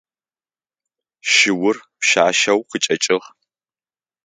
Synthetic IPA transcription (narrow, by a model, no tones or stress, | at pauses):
ʃɪwʊrpʃaːʃɐwqət͡ʃʼɐt͡ʃʼɪʁ